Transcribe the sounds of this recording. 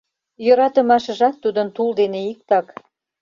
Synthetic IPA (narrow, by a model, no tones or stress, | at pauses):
jøɾɑt̪ə̆mɑʃə̆ʒɑk̪̚t̪ːud̪ənt̪uld̪eneik̚t̪ɑk